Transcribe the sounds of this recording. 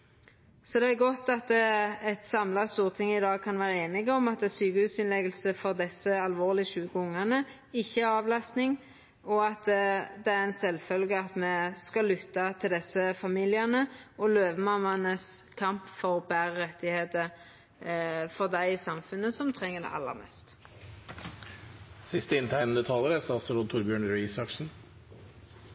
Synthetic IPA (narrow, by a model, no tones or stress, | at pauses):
sɔd̪ɛæɾɡɔt̪ːɑt̪ɛt̪sɑmlɑst̪uːʁt̪ʰɪŋːəɪd̪ɑːɡ̚kʰɑnʋæːʁəeːnɪɡəɔmɑt̪syːkəhʉːsɪnlɛɡəlsəfɔʁd̪ɛsːəɑlʋoːʁlɪəʃʉːkəʊŋːɑʁnə | ɪçːəæɾɑːʋlɑst̪nɪŋ | ɔɑt̪d̪ɛæɾɛnsɛlːfœlɡəɑt̪mɛskɑlːʏt̪ːɑt̪ʰɪld̪ɛsːəfɑmiːlɪənəɔløːʋəmɑmːɑnəskʰɑmpfɔʁbæːʁəʁɛt̪ːɪheːt̪ə | fɔʁd̪æɪɪsɑmfʉnːəsɔmt̪ʰʁɛŋːəd̪ɛ̰ʔɑ̰lːə̰ʁmɛ̰st̪ | sɪst̪əɪnt̪ʰæɪnənd̪ət̪ʰɑːləɾæɾsɑsɔɾot̪ʰʊɾbjøːɳɾʉiːsɑkʂn̩